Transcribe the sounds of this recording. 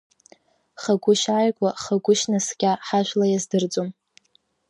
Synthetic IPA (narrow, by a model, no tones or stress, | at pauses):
χaɡʷʊʃajkʷʼaχaɡʷʊʃnasɡʲaħaʒʷᶣlajazdɨrt͡sʼom